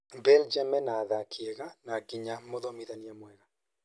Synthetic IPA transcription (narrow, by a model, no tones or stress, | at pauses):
bɛld͡ʒamɛnaðakiɛɣanaɡiɲamoðɔmiðaniamwɛɣa